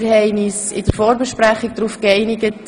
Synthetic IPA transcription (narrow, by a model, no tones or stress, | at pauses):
ɾhɛɪnɪsɪdəɾfoːɾbəʃpɾæχːɪk̚d̥̪ɾuːfkɛɪnɪɡət